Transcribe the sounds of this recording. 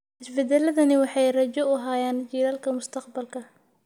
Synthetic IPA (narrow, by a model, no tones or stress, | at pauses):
ħɪsbɛd̪ɛlɐðɐnɪwɑħɑjrɐt͡ʃɔʊɦaːjaːnt͡ʃiːɾaːlkʰɐmʊst̪ʰɐqbɐlkʰɐ